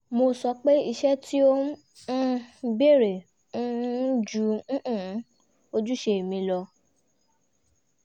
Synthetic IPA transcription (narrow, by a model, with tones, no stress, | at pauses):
mo˧sɔ˧k͡pe˦i˧ʃɛ˦tʰi˦õ˦ | be˦˨ɾẽ˨˦ | d͡ʒũ˧˦ʔ̩˦˨˦ | o˧d͡ʒu˦ʃe˧˦˨mĩ˧lɔ˧